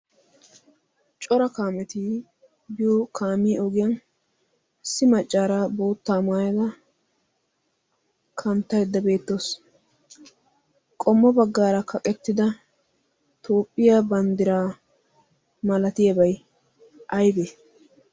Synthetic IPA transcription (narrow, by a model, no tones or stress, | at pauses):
t͡ʃʼɔɾɐkaːmɛt̪ɪ | bɪjokʰaːmɪʔɔɡɪjɐn | sɪmɐt͡ʃʼːaːɾaboːt̪ːaːmaːjɐd̪ɐ | kʰɐnt̪ːɐjd̪ːɐbe̞ːt̪ːoːs | kʼɔmːɔbɐɡːaːɾɐkʰɐkʼɛt̪ːɪd̪ɐ | t̪o̞ːpʼːɪjabɐnd̪ɪɾaː | mɐlɐt̪ɪjɐbɐj | ʔɐjbe